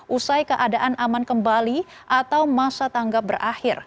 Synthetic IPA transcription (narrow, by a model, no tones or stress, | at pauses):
ʔusajkəʔadaʔanʔamankəmbali | ʔat̪awmasat̪aŋɡap̚bərʔahɪr